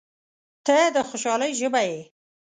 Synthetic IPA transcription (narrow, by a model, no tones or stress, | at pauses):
t̪əd̪əxoʃɑləjʒəbaje